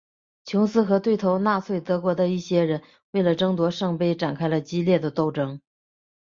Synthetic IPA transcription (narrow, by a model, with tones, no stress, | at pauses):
t͡ɕʰʊ˧˥ŋsɹ̩˥xɤ˧˥t̪we˥˩ɪt̪ʰo˧˥ʊna˥˧t͡sʰwe˥˩ɪt̪ɤ˧˥kwɔ˧˥d̪ə˧i˥˩ɕjɛ˥ɻə˧˥n | we˥˩ɪlə˩ʈ͡ʂɤ˥ŋt̪wɔ˧˥ʂɤ˥˧ŋpe˥˧ɪʈ͡ʂa˨˩nkʰa˥ɪlə˨t͡ɕi˥ljɛ˥˩d̪ə˩t̪o˥˩ʊʈ͡ʂɤ˥ŋ